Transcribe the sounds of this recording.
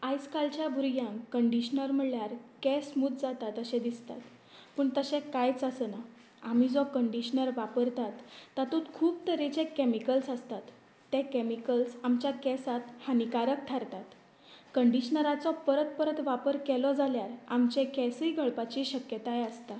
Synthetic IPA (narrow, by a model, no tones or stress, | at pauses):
ajskalt͡ɕjabʱuɾjãŋkəɳɖiɕnəɾm̤əɭjaɾkɛsmuːt̪d͡zat̪at̪əɕẽd̪ist̪a̰t̪ | pəːɳt̪əɕẽkajt͡səsəna | am̤iːd͡zɔkəɳɖiɕnəɾʋapəɾt̪at̪ːat̪ut̪kʰuːp̚t̪əɾet͡ɕẽkɛmikəlsəst̪at̪ː | ɛ̃kɛmikəlsamt͡ɕjakɛsat̪hanikaɾək̚t̪ʰaɾt̪at̪ | kəɳɖiɕnəɾat͡sɔpəɾət̪pəɾət̪ʋapəɾkɛlɔd͡zaljaɾa̰mt͡ɕẽkɛsəjɡʱəɭpat͡ɕiːɕəkjət̪ajeəst̪a